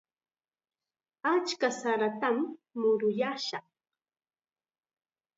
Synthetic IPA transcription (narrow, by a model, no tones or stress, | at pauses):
at͡ʃkasaɾat̪amːʊɾʊjaʃɑχ